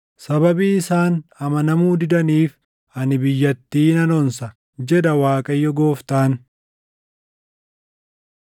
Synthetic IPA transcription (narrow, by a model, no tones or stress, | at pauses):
sɐbɐbiːɪsaːnɐmɐnɐmuːd̪ɪd̪ɐniːf | ɐnɪbɪjːɐt̪ːiːnɐnɔnsɐ | d͡ʒɛd̪ɐwaːkʼɐjːɔɡo̞ːft̪aːn